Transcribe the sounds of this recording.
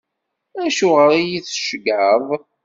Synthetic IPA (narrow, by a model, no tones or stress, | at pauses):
æʃuʁəɾijiθʃɡəðˤ